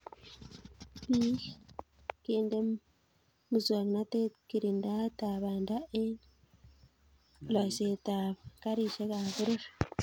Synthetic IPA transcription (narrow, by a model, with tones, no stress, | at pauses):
βi˦ | keː˦nde˦ | muzwa˨kna˦teki˨ɾinda˦ta˨βanda˦ʔe˦ | lwa˨se˨taβaka˦ɾi˨ʃe˦kaβu˦ɾiʃ